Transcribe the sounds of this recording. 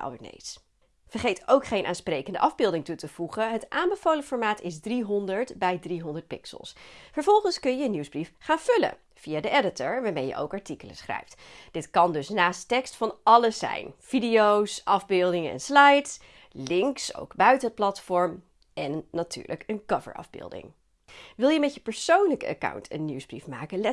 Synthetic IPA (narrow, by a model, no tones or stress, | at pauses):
ɛ̰lˠbənḛjs | fəɹχejtowkχejnʔa̰ːnsprejkəndəʔɑvbɪlˠdɪŋtutəv̥uχəɦətʔaːmbəvowlənfɔːɹmaːtɪzdriɦɔndəɹtbɛjdriɦɔndəɹt̚pɪksə̰lˠsfəɹv̥ɔlˠχənskɵnjəənuwzbrifχaːnv̥ɵlə̰ | v̥iaːdəɛdətəɹʋaːɹmejə̰ʔo̰wkɑɹtikələ̰sχrɛ̰jftd̥ɪtkɑndɵsnaːstɛkstfɑnɑləsːɛ̰jnv̥idijowsʔɑvbɪlˠdɪŋənɛ̰nslajts | lɪŋkso̰wkbœɥtənɦət̚plɑtfɔɹm | ʔɛnːaty̰ːɹlə̰kənkɑvə̰ɹʔɑ̰vbɪ̰ːlˠdɪ̰ŋ | ʋɪlˠjəmɛtjəpəɹsownləkəə̰ka̰wntʰə̰nːuwzbrifma̰ːkəɛ